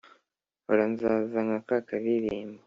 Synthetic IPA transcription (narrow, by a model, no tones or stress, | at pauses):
oɾanzazaŋɡakakaβiɾiːmba